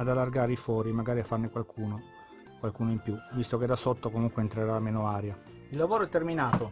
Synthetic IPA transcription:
ad̪alːarɡaːɾeifɔːɾimaɡaːɾiafːarnekwalkʰuːno | kwalkuːnoimpjuvist̪oked̪asot̪ːokomuŋkweːnt̪ɾeɾameːnoaːɾja | ilːavoːɾoɛt̪ːerminaːt̪o

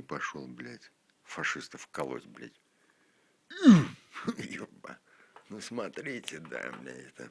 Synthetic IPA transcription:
pɐʂolˠblʲætʲ | fɐʂɨst̪əfkɐlˠo̰t̪ʲblʲæ̰tʲ | joba̰nusmɐt̪ɾʲitʲɪd̪a̰mnʲḛɛt̪ə̰

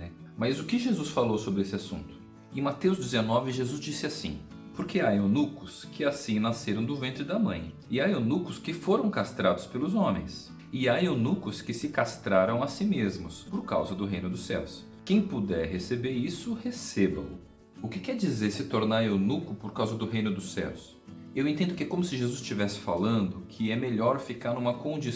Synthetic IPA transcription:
ɛmɐzʊkɪʒezusfalowsobɾɪesɪasṵ̃nt̪ʊ̥ | ẽmat̪ewzd͡ʒɪzenɔvɪʒezuzd͡ʒisɪasḭ̃ | poɾkʰeaonukʊskʰɪasĩnaseɾɐ̃w̃d̪ʊvẽnt̪ɾɪd̪amɐ̰̃j̃ | ɪaonukʊskɪfoɾɐ̃w̃kast̪ɾad̪ʊspelʊzõmḛ̃j̃s | ɪaonukʊskɪsɪkast̪ɾaɾɐ̃w̃asĩmezmʊspoɾka̰wzɐd̪ʊɦej̃nʊd̪ʊsɛ̰ws | kẽj̃pud̪ɛɾɦesebeɾisʊhesebɐ̰̃ʊ | ʊkɪkɛɾd͡ʒizeɾsɪt̪oɾnaɾewnukʊpoɾkawzɐd̪ʊɦejnʊd̪ʊsɛ̰ws | ewẽñt̪ẽnd̪ʊkɪkõmʊsɪʒezuzt͡ʃivɛsɪ̥fa̰lɐ̃nd̪ʊkʰɪɛmeʎɔɾfikaɾnũmɐkõd͡ʒi

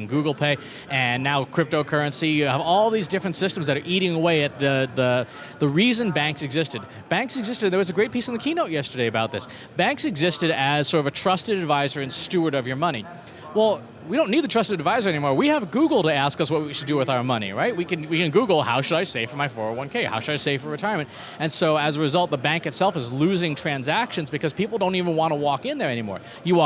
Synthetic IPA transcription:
nɡuɡl̩ˠpʰeɪ | ɨ̃nːaʊkʰɹ̥ɪp̚toʊkʰɜ˞ɨ̃nsijɨəvɔlˠðizdɪfɹɨ̃ntsɪstm̩zðɨɾə˞ʔiɾɪ̃ŋəweɪɨt̪̚ðɨðə | ðəɹizɨ̃nbæ̃ŋksɨɡzɪstɨd̚ | b̥æ̃ŋksɨɡzɪstɨdɨ̃nðə˞wʌzɨɡɹeɪt̚pʰisn̩ðɨkʰinoʊʔ̚jɛstə˞eɪɨbaʊt̪̚ðɪs | b̥æ̃ŋksɨɡzɪstɨɾɨz̥sɔɹɾʌvɨtʰɹ̥ʌstɨɾɨdvaɪzə˞ɨ̃nstʉə˞ɾʌvjə˞mʌñi | wɛlˠ | wiɾõʊ̃nːid̪̚ðɨtʰɹ̥ʌstɨɾɨdvaɪzə˞ɛnimɔɹwiəvɡuɡl̩ˠtɨæskʌswʌt̚wiʃɨdɨwɨðaʊə˞mʌnḭɹaɪt̚wikɨ̃nwikɨ̃nɡuɡl̩ˠha̰ʊʃɨɾaɪseɪfə˞maɪfɔɹəwʌ̃nkʰeɪha̰ʊʃɨɾaɪseɪfə˞ɹɨtʰaɪə˞mɨ̃nt | ɨ̃nsoʊɨzəɹɨzʌlˠt̪̚ðəbæ̃ŋkɨtsɛlˠfəzlʉzɪ̃ŋtʰɹ̥æ̃nzækʃɨ̃nzbɨkʰʌz̥pipl̩ˠdõʊ̃ntivə̃nwɑ̃ntəwɔkɪ̃nðə˞ɛñimɔ̰ɹ | jɨwɔ

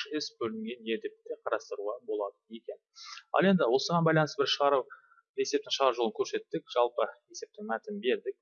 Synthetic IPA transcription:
ɪsbɵlɪŋɡʲe̞njed̪ept̪ːe̞qʰɑɾɑst̪əɾuʁɑbo̞lˠɑd̪əje̞kʲe̞nɑ̰lˠe̞nd̪ɪwo̞səʁɑnbɑjlˠɑnəsbɪɾʃəʁɑɾu | e̞se̞p̚t̪ɪŋʃəʁɑɾuʒolˠəŋkʲʰɵɾse̞t̪ːɪkʒ̥ɑlˠpəje̞se̞p̚t̪ɪŋmæt̪ɪnbe̞ɾd̪ɪk̚

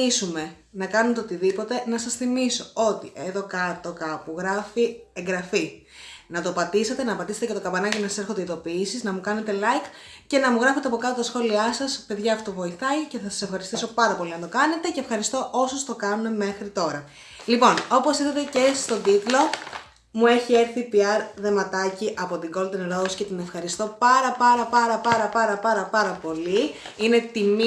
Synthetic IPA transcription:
isume̞ | nɐkɐnunt̪eo̞t̪iðipo̞t̪e̞nɐsɐsθimiso̞o̞t̪iʔe̞ðo̞kɐt̪o̞kɐpuɣɾɐfie̞ŋɡɾɐfi | nɐt̪opɐt̪ise̞t̪e̞nɐpɐt̪iset̪ecet̪okɐbɐnɐcinɐsɐse̞ɾxod̪eiðo̞piːsiznɐmukɐne̞t̪e̞lɐjk | ce̞nɐmuɣɾɐfet̪eɐpo̞kɐt̪ot̪ɐsxo̞liɐsɐspe̞ðʝɐːfot̪ovo̞iθɐice̞θɐsɐ̥se̞fxɐɾist̪iso̞pɐɾɐpo̞liɐnt̪o̞kɐne̞t̪e̞ce̞ːfxɐɾist̪o̞ʔosost̪o̞kɐnune̞me̞xɾit̪o̞ɾɐ | lipo̞no̞po̞siðɐt̪e̞ce̞st̪od̪it̪lo̞ | mue̞çie̞ɾθipiɐɾðe̞mɐt̪ɐciʔɐpo̞t̪iŋɡo̞ld̪enɾosce̞t̪ine̞fxɐɾist̪o̞pɐɾɐpɐɾɐpɐɾɐpɐɾɐpɐɾɐpɐɾɐpɐɾɐpo̞liine̞t̪im

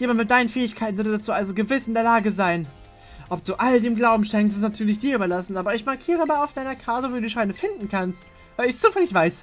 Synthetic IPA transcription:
deːmanmɪdaɪnənfɛːɪçkʰaɪtn̩zɔɐdədat͡suːʔalzoɡəvɪsɪndeːɐlaːɡəzaɪn | ʔɔp̚d̥uːʔaldeːmɡlaʊbm̩ʃɛŋkstɪstnatʰyːɐlɪçd̥iːɐyːbɐlasn̩ʔaːbɐɪçmaɐkʰiːʁ̞əmaːlaʊfd̥aɪnɐkʰaːtəviːduːʃaɪnəfɪndn̩kʰanst | vaɪlɪçt͡suːfɛlɪçv̥aɪs

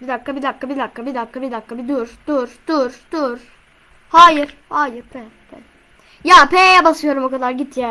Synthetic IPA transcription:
bid̪akːabid̪akːabid̪akːabid̪akːabid̪akʰːabid̪uɾd̪̥uɾd̪̥uɾd̪̥uɾ̥ | haːjiɾ̥haːjɯɾbʰɛbʰɛ | jaːpʰɛjɛbasɯjo̞ɾumo̞kʰad̪aɾɟit̪ʰja

